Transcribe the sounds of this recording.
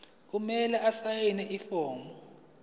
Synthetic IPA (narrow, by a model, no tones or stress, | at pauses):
k̬umɛlɛasajɛnɛʔifɔːmbɔ